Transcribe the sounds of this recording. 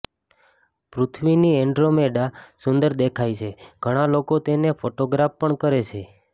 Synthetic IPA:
pɾut̪ʰʋiniɛɳɖɾomeɖasʊnd̪əɾd̪ekʰajt͡ʃʰeɡ̥ʱəɽ̃alokot̪enefoʈoɡɾafpəɳkəɾet͡ʃʰe

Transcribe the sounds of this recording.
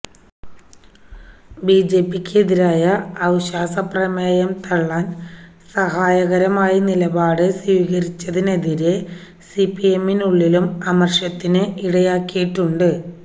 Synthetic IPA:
biːd͡ʑe̞ːpːikʲːeðiɾaːjɐːwɕaːsɐprɐmɐːjɐmt̪ʰɐɭːaːn | sɐɦaːjɐɣɐɾɐmaːjinilɐbaːɽɨswiːɣɐɾit͡ɕːɐðine̞ðiɾe | sipːie̞mːinuɭːilumɐmɐrʂɐt̪ːinɨʔiɽɐjaːkːijiʈːuɳɖɨ

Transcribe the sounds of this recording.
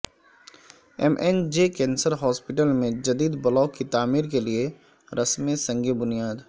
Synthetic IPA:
ɛmʔɛnd͡ʒekɛ̃ːnsəɾɦɔːspɪʈəlmẽd͡ʒɐd̪iːd̪bɐlɔːkːit̪aːmiːɾkelie | ɾɐsmesɐ̃ŋɡebʊnijaːd̪

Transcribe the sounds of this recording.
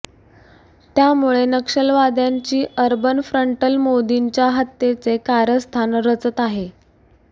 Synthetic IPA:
t̪jamuɭenəkʂəlʋad̪jaɲt͡ɕiːʔəɾbənfɾəɳʈəlmod̪iɲt͡ɕjaɦət̪jet͡sekaɾəst̪ʰanɾət͡sət̪aɦe

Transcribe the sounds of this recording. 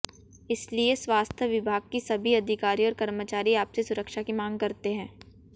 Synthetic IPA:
ɪslieswaːst̪ʰjəʋɪbʱaːɡ̚kisɐbʱiɐd̪ʱɪkaːɾiɔːɾkɐɾmət͡ʃaːɾiaːpsesʊɾəkʃakimãːŋɡ̚kɐɾt̪eɦɛ̃ː

